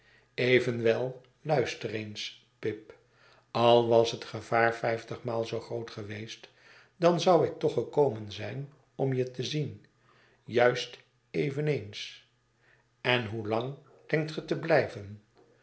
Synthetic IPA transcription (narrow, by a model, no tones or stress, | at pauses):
ejvənʋɛlˠ | lœɥstərejns | pɪp̚ | ɑlˠʋɑsɦətχəv̥aːɹfɛjftəχmaːlˠzowχrowtχəʋejst | dɑnzʌwɪk̚tɔχəkowmənzɛjn | ɔmjətəzin | jœɥst | ejvənens | ɛnɦulɑŋ | d̥ɛŋk̚tχətəblɛjvən